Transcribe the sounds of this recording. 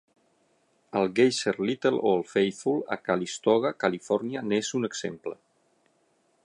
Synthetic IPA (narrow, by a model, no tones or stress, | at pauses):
əlˠɡejseɾlit̪əlo̰əlˠfejfulə̰kalist̪ɔɣ̞akalifɔɾnianezunəɡz̥ḛmplə̰